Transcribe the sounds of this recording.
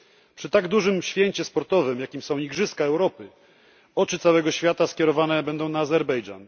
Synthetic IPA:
pʂɘt̪aɡd̪uʐɘmɕfʲjɛɲt͡ɕɛspɔɾt̪ɔvɘmjakʲimsɔ̃w̃ɲiɡʐɘskaɛwɾɔpɘ | ɔt͡ʂɘt̪sawɛɡɔɕfʲjat̪askʲjɛɾɔvanɛbɛnd̪ɔ̃w̃naːzɛɾbɛjʐa̰n

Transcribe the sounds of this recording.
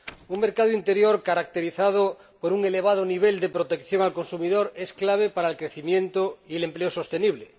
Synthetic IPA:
uŋme̞ɾkaðoint̪e̞ɾjoɾkaɾak̚t̪eɾiθað̞o | poɾuŋe̞le̞β̞að̞oniβ̞eld̪epɾot̪e̞kθjoŋalko̞nsumiðoɾesklaβ̞epaɾaelkɾeθimjẽnt̪oiele̞mpleoso̞st̪e̞niβ̞le

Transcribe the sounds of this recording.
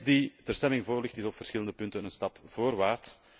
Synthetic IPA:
ditərstɛmɪŋvoːrlɪxtɪzɔpfərsxɪləndəpɵntənənstɑpv̥oːrʋaːrt

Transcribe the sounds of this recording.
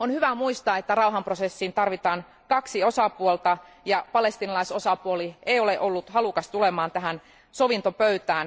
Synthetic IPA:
onhyʋæmuist̪ɑːet̪ːærɑuɦɑmprosesːint̪ɑrʋit̪ɑːn | kɑksio̞sɑpuolt̪ɑ | jɑpɑle̞st̪inɑlɑisosɑpuolieijoleʔolːut̪hɑlukɑst̪ulemɑːnt̪æɦæn | soʋint̪opøyt̪æːn

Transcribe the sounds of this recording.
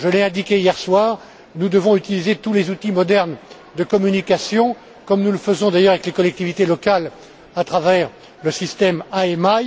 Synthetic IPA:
ʒəlɛɛ̃d̪ikʲeijɛʁswaːʁ | nud̪əvɔ̃yt̪ilizet̪ulezut̪imɔd̪ɛʁn | d̪əkɔmynikʲasjɔ̃ | kɔmnuləfəzɔ̃d̪ajœʁavɛklekɔlɛk̚t̪ivit̪elɔkal | at̪χavɛʁ | ləsist̪ɛmaɛmaj

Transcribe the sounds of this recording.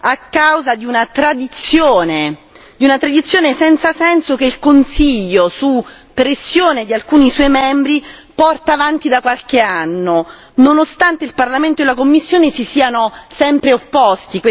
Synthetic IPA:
akːawzad̪iunat̪ɾad̪it̪sːjoːne | d̪iunat̪ɾad̪it̪sːjoːnesɛnt̪sasɛnsokeilkonsiʎːosu | pːɾesːjoːned̪ialkuːniswɔjmɛmbɾipɔrt̪aːvant̪id̪akwalk̟eanːo | nonost̪ant̪eilparlament̪oelakomːisːjoːnesisiːanosɛmpɾeopːɔst̪ike

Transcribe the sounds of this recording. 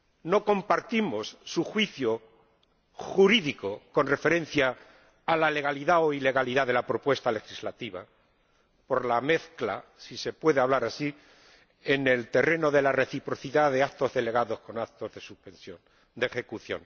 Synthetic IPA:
no̞ko̞mpaɾt̪imo̞sːuxwiθjo | xuɾiðiko̞ko̞nre̞fe̞ɾẽ̞n̟θjaː | lale̞ɣ̞aliðao̞ile̞ɣ̞aliðaðe̞lapɾo̞pwe̞st̪ale̞xizlat̪iβa̰ | po̞ɾlame̞θkla̰sise̞pwe̞ðeaβ̞laɾasi | e̞ne̞lt̪e̞re̞no̞ðe̞lareθipɾo̞θiðaðe̞akt̪o̞zðe̞le̞ɣaðo̞sko̞nat̪o̞zðe̞suhpẽnsjon | d̪exe̞kuθjo̞̰n

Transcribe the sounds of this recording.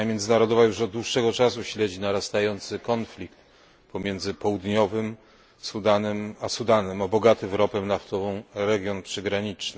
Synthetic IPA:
amʲjɛnd̪zɘnaɾɔd̪ɔvajuʂɔd̪d̪wuʂːɛɡɔt͡ʂasuɕlɛd͡ʑinaɾast̪ajɔnt̪sɘkɔnflʲikt̪ | pɔmʲjɛnd̪zɘpɔwud̪ɲɔvɘm | sud̪anɛmasud̪anɛmɔbɔɡat̪ɘmɾɔpɛmnaft̪ɔvɔ̃w̃ɾɛɡʲjɔnpʂɘɡɾaɲit͡ʂnɘ

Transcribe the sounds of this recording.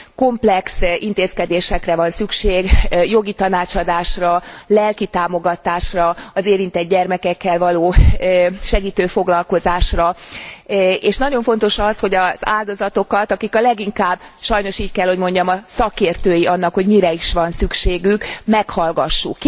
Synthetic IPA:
ko̞mplɛksint̪eːskɛd̪eːʃɛkrɛvɒnsykʃeːɡjo̞ɡit̪ɒnaːt͡ʃɒd̪aːʃrɒlɛlkit̪aːmo̞ɡɒt̪aːʃrɒɒzeːɾint̪ɛd̪̚ɟɛrmɛkɛkːɛlvɒloː | ʃɛɡiːt̪øːfo̞ɡlɒlko̞zaːʃrɒ | eːʃnɒɟo̞ɱfo̞nt̪o̞ʃɒsho̞ɟɒz̥a̰ːld̪o̞zɒt̪o̞kɒt̪ɒkikɒlɛɡiŋkaːbʃɒjno̞ʃiːckɛlho̞ɟmo̞ɲɟɒmɒsɒkeːrt̪øːjiʔɒnːɒkho̞ɟmiɾɛiʃʋɒnsykʃeːɡykmɛkhɒlɡɒʃːukː

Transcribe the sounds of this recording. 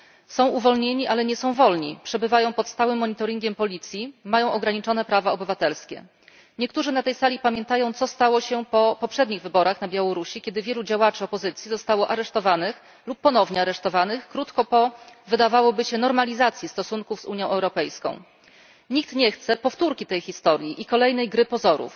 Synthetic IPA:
sɔ̃w̃uvɔlɲeɲiʔalɛɲɛsɔ̃w̃vɔlɲḭpʂɛbɘvajɔ̃w̃pɔt̪st̪awɘmːɔɲit̪ɔɾʲiŋɡʲɛmpɔlʲit̪sʲjimajɔ̃w̃ʔɔɡɾaɲit͡ʂɔnɛpɾavaɔbɘvat̪ɛlskʲɛ̰ | ɲɛkt̪uʐɘnat̪ɛjsalʲipamʲjɛnt̪ajɔ̃w̃t̪sɔst̪awɔɕɛpɔpɔpʂɛd̪ɲiɣvɘbɔɾaxnabʲjawɔɾuɕikʲɛd̪ɘvʲjɛlud͡ʑawat͡ʂɘɔpɔzɘt̪sʲjizɔst̪awɔʔaɾɛʂt̪ɔvanɘx | lupːɔnɔvɲɛaɾɛʂt̪ɔvanɘxkɾut̪kɔpɔvɘd̪avawɔbɘɕɛnɔɾmalʲizat̪sʲjist̪ɔsuŋkuvzuɲjɔ̃w̃ɛwɾɔpɛjskɔ̰̃w̃ | ɲik̚t̪ɲɛxt̪sɛpɔft̪uɾkʲit̪ɛjxʲist̪ɔɾʲjiʔikɔlɛjnɛjɡɾɘpɔzɔɾṵf

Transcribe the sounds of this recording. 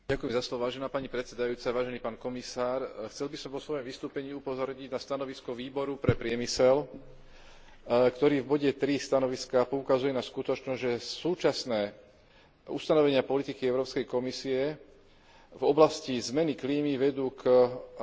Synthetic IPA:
ɟakujɛmzaslɔʋɔʋaːʒɛnaːpaɲipɾɛt̪t͡sɛd̪ajuːt͡saʋaːʒɛniːpaːnkɔmisaːɾxt͡sɛlbisɔmpɔsʋɔjɔmʋist̪uːpɛɲiːupɔzɔɾɲiɟnast̪anɔʋiskɔʋiːbɔɾupɾɛpɾɪɛmisɛl | kt̪ɔɾiːvbɔɟɛt̪ɾist̪anɔʋiskapɔukazujɛnaskut̪ɔt͡ʃnɔzʲʒɛsuːt͡ʃasnɛː | ṵst̪anɔʋɛɲɪapɔlit̪ikiɛʊɾɔːpskɛjkɔmisiɛ | vɔblascizmɛnikliːmiʋɛd̪uːk

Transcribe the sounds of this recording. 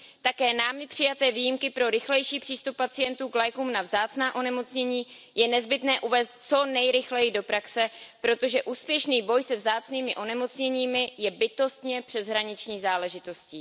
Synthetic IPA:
t̪akɛːnaːmjɪpr̝̥ɪjat̪ɛːviːjimkɪpɾo̞ɾɪxlɛjʃiːpr̥iːst̪upːat͡sɪjɛnt̪uːklajkuːmnavzaːt͡snaːʔo̞nɛmo̞t͡sɲɛɲiː | jɛnɛzbɪt̪nɛːʔuvɛːst̪̚t͡so̞nɛjɾɪxlɛjɪdo̞pɾaksɛpɾo̞t̪o̞ʒɛʔuːspjɛʃniːbo̞jsɛvzaːt͡sniːmɪʔo̞nɛmo̞t͡sɲɛɲiːmɪjɛbɪt̪o̞st̪ɲɛpr̝̥ɛzɦɾaɲɪt͡ʃɲiːzaːlɛʒɪt̪o̞scɪ

